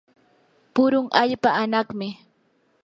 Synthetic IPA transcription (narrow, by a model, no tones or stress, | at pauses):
pʊɾʊŋʔaʎpaanɑχmɪ